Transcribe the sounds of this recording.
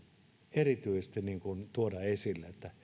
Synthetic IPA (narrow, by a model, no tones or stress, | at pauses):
erit̪yisest̪iniːŋkunt̪uodɑesilːeet̪ːæ